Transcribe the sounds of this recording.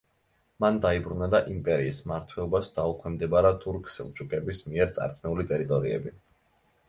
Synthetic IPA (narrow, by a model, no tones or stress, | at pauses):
mand̪aibɾunad̪aʔimpʼɛɾiːsmaɾt̪ʰwɛlˠɔbasd̪̥aukʰwɛmd̪ɛbaɾat̪ʰʼuɾkʰʼsḭlˠt͡ʃʰʼukʼɛbismiɛɾt̪sʼa̰ɾt̪ʰmɛulit̪ʼɛɾit̪ʼɔɾiɛ̰bi